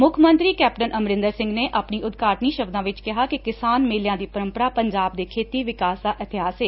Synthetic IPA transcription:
mʊkʰmənt̪ɾiːkɛːp̚ʈənəmɾɪ̃nd̪əɾsɪ̃ŋɡneːʔaːpɳiːʊd̪ɡaːʈniːʃəbd̪ãːʋɪt͡ʃkɪɦaːkikɪsaːnmeːljãːd̪iːpəɾə̃mpəɾaːpəɲd͡ʒaːb̚d̪eːkʰeːt̪iːʋɪkaːsd̪aːʔɪt̪ʰɪɦaːsɦeː

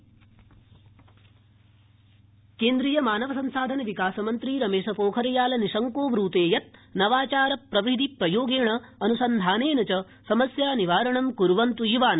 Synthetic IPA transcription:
keːnd̪ɾijɐmaːnɐʋɐsɐmsaːd̪ʱɐnɐʋikaːsɐmɐnt̪ɾiɾɐmeːʂɐpoːkʰɐɾɐjaːlɐniʂɐŋkoːʋɾuːt̪eːjɐt̪̚nɐʋaːt͡ʃaːɾɐpɾɐʋid̪ʱipɾɐjoːɡeːɳɐːnusɐnd̪ʱaːneːnɐt͡ʃɐ | sɐmɐsjaːniʋaːɾɐɳɐmkuɾʋɐnt̪ujiʋaːnɐ

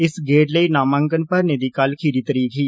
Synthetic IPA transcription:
ɪsɡeːʈləiːnaːmãŋkənpəɾneːd̪iːkaːlkʰiːɾiːt̪əɾiːkɦiː

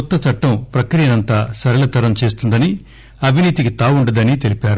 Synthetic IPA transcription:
ɔt̪ːɐt͡ʃɐʈːɐmpɾɐkɾiːjɐnɐnt̪aːsɐɾɐlɐt̪ɐɾɐmt͡ʃe̞ːst̪und̪ɐni | ɐbʱiniːt̪ikit̪aːwuɳɖɐd̪ɐnit̪e̞lipaːɾu

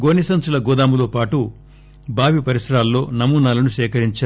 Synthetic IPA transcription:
ɡoːnisɐnt͡ʃulɐɡɔːd̪aːmuloːpaːʈu | baːʋipɐɾisɐɾaːlːo̞ːnɐmuːnaːlɐnuʃɛːkɐɾiɲt͡ʃaː

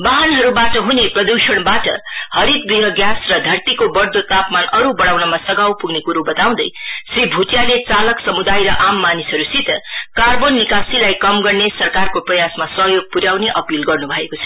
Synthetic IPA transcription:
baɦanɦʌɾubaʈʌɦuneprʌd̪usʌɽ̃baʈʌ̰hʌɾit̪̚biɦʌɡjasrʌd̪ʱʌrt̪ikobʌrd̪ot̪apmanʌɾubʌɽawnʌmasʌɡawpuɡnekuɾobʌt̪aw̃d̪ʌjsibʱuʈjalet͡salʌksʌmud̪ajɾʌʔamːanisɦʌɾusit̪ʌkarbonːikasilajkʌmɡʌrnesʌrkarkoprʌjasmasʌɦjoɡ̚puɾjawneʔʌpilɡʌrnubʱʌekot͡sʰʌ̥

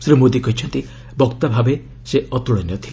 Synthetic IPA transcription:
sɾimod̪ikɔɦit͡ʃʰɔnt̪i | bɔkt̪abʱabe | seɔt̪uɽɔnjɔt̪ʰi̥

